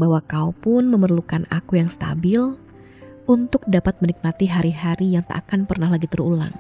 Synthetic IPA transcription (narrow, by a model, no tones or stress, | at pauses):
bawakaupʊnməmərlukana̰kujaŋst̪a̰bɪl | unt̪ʊk̚dapat̪̚mənik̚mat̪iɦaɾiɦaɾijaŋt̪a̰ʔakanpərnahɦlaɡit̪əɾula̰ŋ